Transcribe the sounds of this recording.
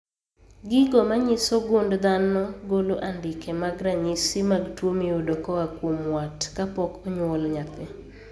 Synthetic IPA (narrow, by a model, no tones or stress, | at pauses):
ɡɪɡɔmaɲɪsoɡondd̪anɔɡoloʔandɪkemaɡɾaɲisimaɡtwomiodɔkɔwakwomwatkapɔkɔɲwɔlɲat̪ɛ